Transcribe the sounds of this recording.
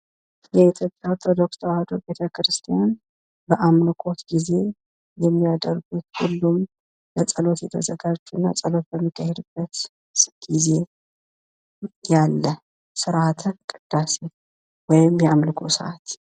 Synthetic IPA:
jɛit̪ʰjo̞pʼjawɾt̪ʰod̪o̞kst̪ʰəwahəd̪obe̞t̪ʰəkɾɨst̪ʰijan | bəʔamlɨkʼo̞t̪ɡize̞ | jɛmːijad̪əɾɡut̪hulːum | lət͡sʼəlo̞t̪jɛt̪ʰəzəɡad͡ʒt͡ʃːuɨnːa̰t͡sʼəlo̞t̪̚bəmːikʰːahed̪ɨb̥ːət̪ | ɡ̥ize̞ | jalːə | sɨɾʔat̪ʰəkʼɨd̪̥ːase | wɔjɪmjamlɨkʰo̞sə̰ʔat̪

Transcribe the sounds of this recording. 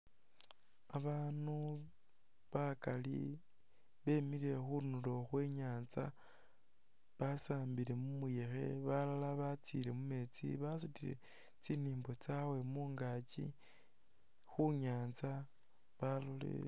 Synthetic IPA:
aβaːnu | βakalḭ | βe̞miɾe̞xunuloxwe̞ːɲaːnza̰ | βasaːmbiɾe̞mumuje̞xe̞̰βalalaβat͡siɾe̞mume̞ːt͡sḭβasutiɾe̞̰ | t͡siniːmbo̞t͡sawe̞muːŋɡaːt͡ʃḭ | xuɲaːnza | βalolḛ

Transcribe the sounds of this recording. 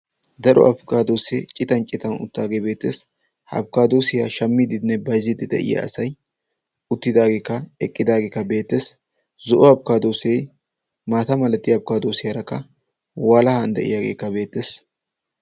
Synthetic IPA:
d̪ɐɾʔɔ̰ʔɐ̰bkaːd̪oːseːt͡ʃʼːɪt̪ɐnt͡ʃʼɪt̪ɐnʊ̰t̪ːaːɡeːbe̞ːt̪ːeːs | hɐ̰bkaːd̪o̞ːsɪjaːʃɐmːɪd̪ɪnːɛbɐjzɪd̪ɪd̪ɛ̰ʔɪ̰ja̰ːsɐj | ʊt̪ːɪd̪aːɡeːkːɐɛkʼːɪd̪aːɡeːkːɐbe̞ːt̪ːeːs | zɔʔɔɐbkaːd̪oːsej | maːt̪ɐmɐlɐt̪ːɪɐb̚kaːd̪oːsɪjɐɾɐkːɐ | waːlɐhɐnd̪ɛ̰ʔɪ̰jaːɡḛːkːɐbe̞ːt̪ːeːs

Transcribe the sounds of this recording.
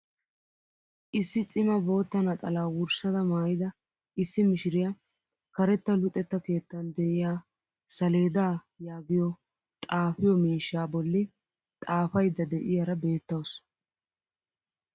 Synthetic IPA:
ʔɪsːɪt͡sʼɪmɐbo̞ːt̪ːɐnɐt̪ʼɐlaːwʊɾsɐd̪ɐmaːjɪd̪ɐ | ʔɪsːɪmɪʃɪɾɪjɐ | kɐɾɛt̪ːɐlʊt̪ʼːɛt̪ːɐke̞ːt̪ːɐnd̪ɛʔɪjaː | sɐle̞ːd̪aː | jaːɡɪjɔ | t̪ʼaːfɪjɔmiːʃaːbɔlːɪ | t̪ʼaːfɐjd̪ːɐd̪ɛʔɪjaɾɐbe̞ːt̪ːɐws

